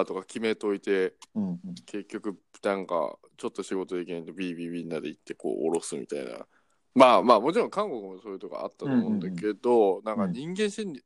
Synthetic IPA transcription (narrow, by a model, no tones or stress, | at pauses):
t̪o̞kakʲime̞t̪o̞it̪e̞ | ke̞kʲːo̞kɯ̟ | nãŋka̰ | t͡ɕo̞t̪ːo̞ɕiɡo̞t̪o̞d̪ek̬ʲinait̪ebʲiːbʲiːbʲiːɲinad̪eit̪ːe̞ko̞̰ːʔoɾo̞sɨmʲḭt̪a̰ḭna̰ | maːmaːmo̞t͡ɕiɾõ̞ŋkãŋko̞kɯ̟moso̞ːjɯ̟t̪oka̰a̰t̪ːat̪omõnd̪ake̞d̪o̞nãŋkaɲ̟ĩŋɡẽ̞ɰ̃ɕĩnʲi